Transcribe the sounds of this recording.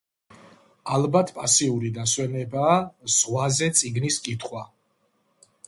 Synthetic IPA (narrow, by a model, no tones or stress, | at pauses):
albat̪ʰpʼasiuɾid̪aswɛnɛbaːz̥ʁwazɛt̪sʼiɡniskʼit̪ʰχwa